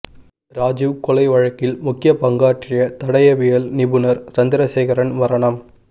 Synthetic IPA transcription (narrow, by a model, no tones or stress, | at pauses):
ɾaːd͡ʒɪʋkɔlɐɪʋɐɻɐkːɪlmʊkːɪjɐpɐŋɡaːʈrɪjɐt̪ɐɽɐjɐʋɪjɐlnɪbɯnɐɾt͡ʃɐnd̪ɪɾɐseːɣɐɾɐnʋɐɾɐɳɐm